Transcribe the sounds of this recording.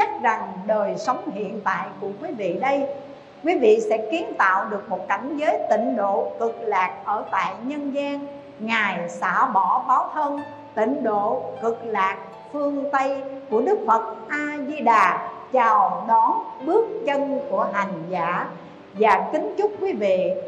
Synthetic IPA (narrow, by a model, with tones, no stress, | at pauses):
t͡ɕa˦˥k̚za˨˩ŋɗəː˨˩jsə˨˦wŋ͡mhḭ˧˨ənt̪a̰ː˧˨jku˧˩əkwi˨˦vḭ˧˨ɗə˧j | kwi˨˦vḭ˧˨sɛ̰˧˥ki˨˦ənt̪a̰ː˧˨wɗɨ˨˩ək̚mo˨˩t̚ka˧˩jŋ̟zəː˨˦jt̪ḭ̈˧˨ŋ̟ɗo̰˧˨kɨ˨˩k̚laː˨˩k̚ʔəː˧˩t̪a̰ː˧˨jɲə˧nzaː˧n | ŋaː˨˩jsa̰ː˧˩ɓɔ˧˩ɓaː˨˦wt̪ʰə˧n | t̪ḭ̈˧˨ŋ̟ɗo̰˧˨kɨ˨˩k̚laː˨˩k̚ | fɨ˧əŋt̪ə˧jku˧˩əɗɨ˦˥k̚fə˨˩t̚ʔaː˧zi˧ɗaː˨˩t͡ɕa˨˩wɗɔ˨˦nɓɨ˦˥ək̚t͡ɕə˧nku˧˩əɦa˨˩jŋ̟zaː˧˥ | vaː˨˩kï˨˦ŋ̟t͡ɕʊ˦˥k͡p̚kwi˨˦vḭ˧˨